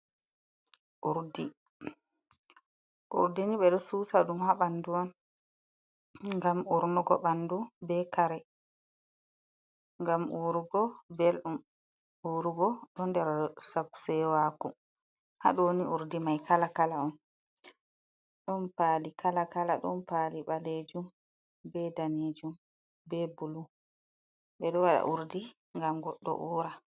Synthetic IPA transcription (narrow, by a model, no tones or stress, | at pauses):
ʔuɾdi | ʔṵɾdiniɓɛɗɔsuːsaɗumhaɓanduan | ŋɡamuɾnɔɡɔɓandubɛkaɾɛ | ŋɡamuɾuɡɔbelɗum | ʔuɾuɡɔɗɔndɛɾasabsɛwaːku | ha̰ɗɔniʔuɾdimajkalakalaɔn | ɗɔnpaːlikʰalakalaɗɔ̰npaːliɓaled͡ʒum | bɛdaned͡ʒum | bɛbulu | bɛɗɔwaɗa̰ʔuɾdi | ŋɡamɡɔɗːɔ̰ʔuːɾa